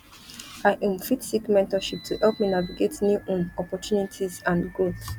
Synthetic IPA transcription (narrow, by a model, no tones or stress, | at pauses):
aɪʔĩnfitsikmɛ̃ntɔʃip̚tʰuhɛlˠpminaviɡetnjuʔõnɔpɔtjunitʰizãnɡoθ